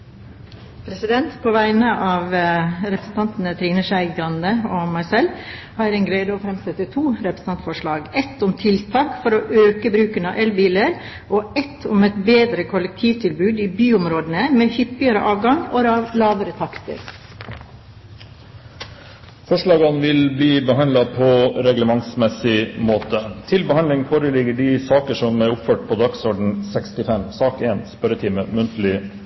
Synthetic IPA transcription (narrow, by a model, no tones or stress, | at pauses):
pʰɾɛsɪd̪ɛnt̪pʰoːʋæɪnəʔɑːʋɾɛpɾəsn̩t̪ɑnt̪n̩ət̪ʰɾiːnəʃæɪɡɾɑnd̪əoːmɑɪsɛl | hɑːɾɛnɡɾeːd̪əoːfɾɛmsɛt̪ːət̪ʰuːɾɛpɾə̥s̩ɑnt̪fɔʂɭɑːɡɛt̪ʊmt̪ʰɪlt̪ʰɑːkfɔɾoːʔøːkəbɾʉːkənɑ̰ʔɛlbiːləɾ | ʔoːɛt̪ʰʊmɛt̪beːd̪ɾəkʰʊlɛk̚t̪ʰiːʋt̪ʰɪlbʉːd̪iːbyːʊmɾoːd̪ənəmeːhʏpːɪəɾə̰ʔɑːʋɡɑŋoɾɑʋlɑːʋəɾət̪ʰɑkt̪ə̰ɾ | fɔʂɭɑːɡɑnʋɪlbliːbəɦɑnlɑpʰɔɾɛɡləmɑŋsmɛsɪmoːt̪ət̪ʰɪlbəhɑnlɪŋfoːɾəlɪɡəɖɪsɑːkəʂɔmæɾʊpføːʈ̚pʰɔd̪ɑksɔːɖɳ̩sɛkst̪ɪfɛmsɑːkeːnspœɾət̪ʰiːməmʉnt̪əlɪ